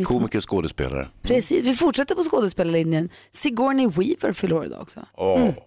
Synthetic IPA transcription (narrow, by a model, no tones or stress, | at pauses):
nkʰuːmɪkːəskoːd̪əspḛːla̰ɾə̰pʰɾɛsḭːsvɪfʊʈʂɛt̪ːəɾpɔskoːd̪əspeːlaɭɪnːjənsɪɡɔɳɪwiːvə̰ɾfəlɔːɾɪ̰d̪a̰ɔ̰ksɔ̰ɔ